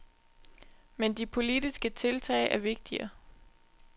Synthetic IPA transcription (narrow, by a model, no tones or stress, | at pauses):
mend̥ipʰo̝lidisɡ̥ət͡sʰe̝lt͡sʰɛ̰ːɪʔæɐʋe̝ɡ̥̚d̥iɐ